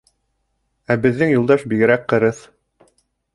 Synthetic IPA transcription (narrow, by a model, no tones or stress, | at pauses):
æbɘ̆ðːɘŋjulˠd̪ɑʃbiɡɘ̆ɾæk̚qɤ̆ɾɤθ